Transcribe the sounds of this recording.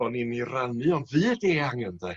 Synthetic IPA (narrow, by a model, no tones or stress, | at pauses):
ɔniniranɨɔnvɨːdeːaŋəndɛ